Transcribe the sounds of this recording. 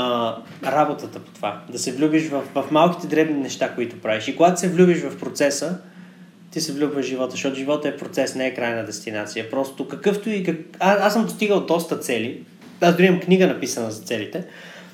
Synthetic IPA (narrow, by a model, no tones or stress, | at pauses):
ɾabot̪ət̪əpo̥t̪ovad̪ɐsɛvlʲubiʃvɐfvɐfmalˠki̥t̪ɛd̪ɾɛbninɛʃt̪akoit̪ʊpɾaviʃikoɡat̪ʊ̥sɛvlʲubiʃvɐfpɾot̪sɛsə | t̪isɛvlʲubvəʒivɔt̪əʃɔt̪ʊʒivɔt̪əɛpɾot̪sɛsnɛɛkɾajnəd̪ɛst̪inat̪sijəpɾɔst̪okɐkɤft̪ʊikəaasəmd̪ost̪iɡəlˠd̪ɔst̪ət̪sɛli | azd̪ʊɾimɐmkniɡənɐpisənəzɐt̪sɛlit̪ɛ